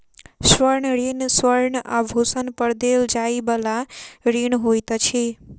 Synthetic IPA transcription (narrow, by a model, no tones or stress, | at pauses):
swəɾɳɾinswəɾɳabʱusənpəɾd̪eld͡ʒajbəlaɾinɦojt̪ət͡ʃʰi